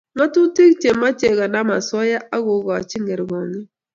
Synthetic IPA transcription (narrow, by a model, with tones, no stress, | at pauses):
ŋa˦tu˦te˦kt͡ʃe˨mːa˦t͡ʃe˨ɣa˨na˦ma˨swɔ˦ja˦ʔa˦ɣʊ˨ɡɔ˨a˨t͡ʃɪ˦ŋɛ˨ɾɡɔ˨ŋɪ˦